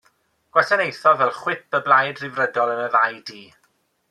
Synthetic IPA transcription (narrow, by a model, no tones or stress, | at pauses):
ɡ̥wasanejθɔvɛlˠχwɪt̚bəblˠajdrɪvrədɔlˠənəðajdiː